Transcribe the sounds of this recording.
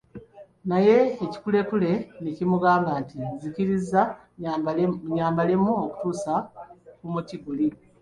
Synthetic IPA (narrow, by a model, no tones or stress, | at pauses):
naje̞ːci̥kule̞kule̞necimuɡaːŋɡantizikiɾiza | ɲaːmbale̞muoku̥tuːsakumutiɡuli